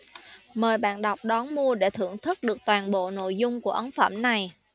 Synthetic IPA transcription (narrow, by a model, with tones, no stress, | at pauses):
məː˨˩jɓa̰ː˧˨nɗa˨˩wk͡p̚ɗɔ˨˦nmu˧əɗe˧˩t̪ʰɨ̰˧˩əŋt̪ʰɨ˦˥k̚ɗɨ˨˩ək̚t̪waː˨˩nɓo̰˧˨no̰˧˨jzʊ˧ŋ͡mku˧˩əʔə˨˦nfə̰˧˩mna˨˩j